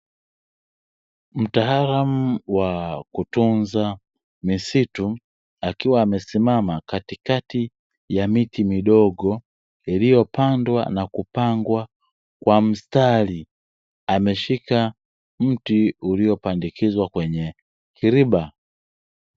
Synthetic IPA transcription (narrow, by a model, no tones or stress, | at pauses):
m̩taɦaɾamuwakutunza | misitu | akiwaːmɛsimamakatikati | jamitimiɗɔɡɔ | ilijɔpʰandwa̰nakupaŋɡwa | kwam̩stali | amɛʃika | m̩tiuliɔpandikizwakwɛɲɛ | kʰiɾiɓa